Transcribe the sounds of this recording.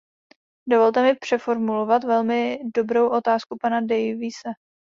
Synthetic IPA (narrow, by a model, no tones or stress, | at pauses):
do̞vo̞lt̪ɛmɪpr̝̥ɛfo̞ɾmulo̞vat̪vɛlmɪdo̞bɾo̞wʔo̞t̪aːskupanadɛjvɪsɛ